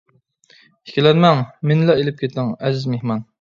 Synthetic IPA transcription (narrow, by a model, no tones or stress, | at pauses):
i̥kʲilɛnmɛŋmɪnlɛelɪp̚kʲʰet̪ɪŋɛzɪzmehmɑn